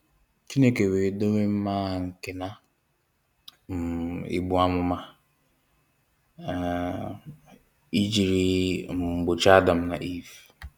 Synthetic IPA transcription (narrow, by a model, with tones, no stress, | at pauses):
t͡ʃi˦ne˨ke˨we˨˦do˦we˦m̩˦ma˦˨ŋ̩˨kɪ˨na˦ | m̩˨ḭ˦ɡ͡bʊ˨a˦mʊ˦ma˦˨ | i˦d͡ʒi˨ɾi˦ŋ͡m̩˨ɡ͡bʊ˨t͡ʃa˦da˨m̩˨na̰˨ʔi˦˨v